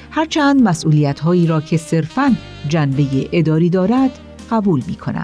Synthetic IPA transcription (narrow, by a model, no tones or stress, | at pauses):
hæɾt͡ʃʰænd̪mæsʔuːliːjæt̪ɦɒːiːɾɒːcʰe̞se̞ɾfæn | d͡ʒænbe̞jeʔed̪ɒːɾiːd̪ɒːɾæd̪̥ | ɢ̥æbuːlmiːkʰo̞̰næ̰̥